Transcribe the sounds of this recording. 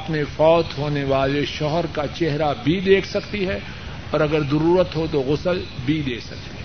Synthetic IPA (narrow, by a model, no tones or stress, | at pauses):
ɐpnefɔːt̪ɦoːneʋaːleʃɔɦəɾkat͡ʃɛɦɾabʱid̪eːkʰsɐkt̪iɦɛ | ɔːɾɐɡəɾzɐɾuːɾət̪ɦot̪oɣʊsəlbʱid̪eːsɐk̚t̪iɦɛ